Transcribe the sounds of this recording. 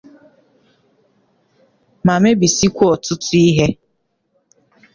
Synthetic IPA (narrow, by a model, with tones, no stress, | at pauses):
ma˨me˦bi˨si˦kʷu˦ɔ˨tʊ˦tʊ˦i˦ɦe˦